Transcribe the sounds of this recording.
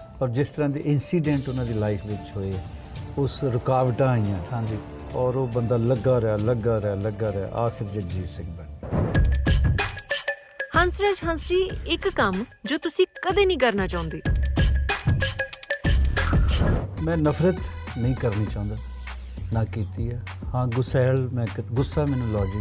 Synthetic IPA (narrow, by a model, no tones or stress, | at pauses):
ɔːɾd͡ʒɪst̪əɾãːd̪iːʔɪnsiːɖɛ̃ːɳʈʊnãːd̪iːlaːɪpʰʋɪt͡ʃɦoːeːɛː | ʊsɾʊkaːʋʈãːijãːãːɲd͡ʒiː | ɔːɾoːbənd̪aːləɡaːɾəaːləɡaːɾəaːləɡaːɾa̰ʔaːkʰɪɾd͡ʒəd͡ʒiːsɪkb̪aː | hə̃nsɾeːd͡ʒɦə̃nsd͡ʒiːɪkːəmd͡ʒoːt̪ʊsĩːkəd̪eːnĩːkəɾnaːt͡ʃaːʊ̃nd̪iː | mɛ̃ːnəpʰɾət̪nəĩːkəɾniːt͡ʃaːʊ̃ːnd̪aː | naːkiːt̪iːaː | hãːɡʊsɛːlmɛ̃ːɡʊsːaːmɛ̃ːnũːlɔːd͡ʒɪ